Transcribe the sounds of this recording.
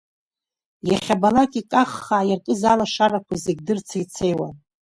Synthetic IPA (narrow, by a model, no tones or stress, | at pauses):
jaχʲabalakʼikʼaχːaʕajarkʼɨzalaʂarakʷʰazeɡʲdɨrt͡sʰajt͡sʰe̞jwa̰n